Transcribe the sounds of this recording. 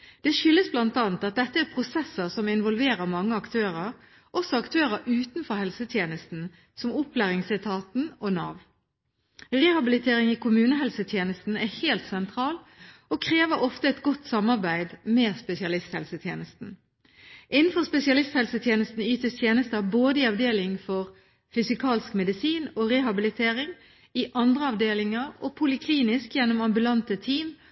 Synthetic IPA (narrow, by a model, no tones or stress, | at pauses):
d̪̥ɛʃʏlːəsblɑnt̪ɑːnt̪ɑt̪̚d̪ɛt̪ːəæɾpʰʁʊsɛsːəʁsɔmɪnʋɔlʋeːɾəʁmɑŋːəɑkt̪ʰøːɾəɾ | ʔɔsɔɑkt̪ʰøːɾəɾʔʉːt̪nfɔɾhɛlsət̪ʰjeːnəst̪n̩ | sɔmʊplæːʁɪŋsɪt̪ʰɑːt̪n̩ɔnɑːʋ | ʁɛhɑbɪlɪt̪ʰeːʁɪŋikʰʊmʉːnəɦɛlsət̪ʰjeːnəst̪n̩æheːlt̪sɛnt̪ʰɾɑːlokʰʁeːʋəɾɔft̪əɛt̪ɡɔt̪ːsɑmːɑʁbæɪd̪meːspɛsɪɑlɪst̪hɛ̰lsət̪ʰjeːnəst̪n̩ | ʔɪnn̩fɔʁspɛsɪɑlɪst̪hɛlsət̪ʰjeːnəst̪n̩yːt̪əst̪ʰjeːnəst̪əɑboːd̪əiɑʋd̪eːlɪŋfɔʁ | fʏsɪkʰɑːlskmɛd̪ɪsiːnoʁɛhɑbɪlɪt̪ʰeːʁɪŋ | ɪʔɑnd̪ʁəɑʋd̪eːlɪŋɑʁopʰʊlɪkʰliːnɪskjɛnːɔmɑmbʉlɑnt̪ət̪ʰiːm